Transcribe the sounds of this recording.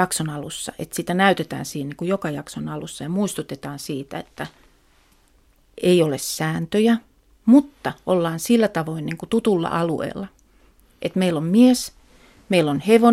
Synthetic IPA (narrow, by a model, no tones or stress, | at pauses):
ɑksonɑlusːɑ̰ʔḛt̪sit̪ænæyt̪et̪æ̰ːnsiːniːŋkujokɑjɑksonɑlusːɑjɑmuist̪ut̪et̪ɑːnsiːt̪æ̰et̪ːæ | eiolessæːnt̪øjæ | mut̪ːɑʔolːɑːnsilːæt̪ɑʋoinniŋkut̪ut̪ulːɑ̰ʔɑluḛːlːɑ | ʔet̪meilːommies | meilːonheʋo